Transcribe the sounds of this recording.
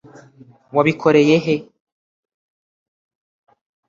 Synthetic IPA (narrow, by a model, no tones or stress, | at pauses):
waβikʰo̞ɾe̞jeɦe